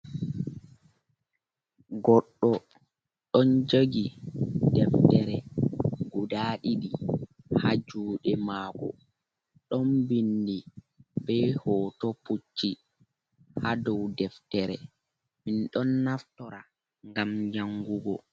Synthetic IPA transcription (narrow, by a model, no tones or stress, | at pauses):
ɡɔɗːɔ | ɗɔnd͡ʒoɡidɛftɛɾɛɡudaːɗiɗi | had͡ʒuːɗɛmaːɡɔ̰ | ɗɔnbindi | bɛhɔːtɔput͡ʃːi | hadɔwdɛftɛɾɛ̰ | minɗɔnːaftɔɾa | ŋɡamɲaŋɡuɡɔ